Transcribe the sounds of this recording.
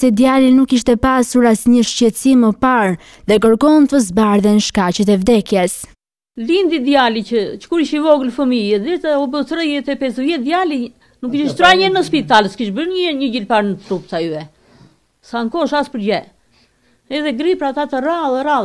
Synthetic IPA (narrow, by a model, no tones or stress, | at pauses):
sɛd̪jalinukiʃt̪ɛpasuɾasɲəʃcɛt̪əsiməpaɾ | ðɛk̬əɾkɔnt̪əzbaɾðɛnʃkat͡ɕət̪̬ɛvd̪ɛkjɛs | lind̪id̪jalit͡ʃət͡ʃə̥kuɾiʃivɔɡəlfəmiɛd̪iɾt̪aɔbət̪ɾəjɛt̪ɛpɛsəvjɛd̪jali | nukiʃiʃt̪ɾaɲɛnəspit̪aləskiʃbəɾɲəɲəɟilpaɾnət̪ɾupt̪ayɛ | saŋkɔʃaspəɾd͡ʑɛ | ɛðɛɡɾipɾat̪at̪əraðɛɾað